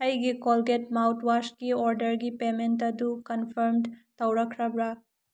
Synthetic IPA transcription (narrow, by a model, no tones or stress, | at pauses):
ɐjɡikolɡetmawtwaskiɔɾdɐɾɡipementɐdukɐnpʰɐɾmdt̪ɐwɾɐkʰɾɐbɾa